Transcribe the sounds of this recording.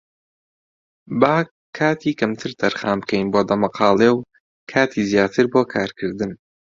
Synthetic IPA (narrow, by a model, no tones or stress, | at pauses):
baː | kʰːaːt̪ʰiːkɐmt̪ʰɨɾt̪ʰɐɾxaːmbkɛjnboːd̪ɐmɐqʰɑːlˠew | kʰaːt̪ʰiːzjaːt̪ʰɨɾboːkʰaːɾkʰɨɾd̪ɨn